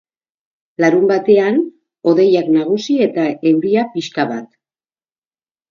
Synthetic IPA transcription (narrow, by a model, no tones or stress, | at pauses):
laɾumbat̪e̞an | o̞ðe̞jaknaɣ̞usie̞t̪ae̞wɾiapiskaβa̰t̪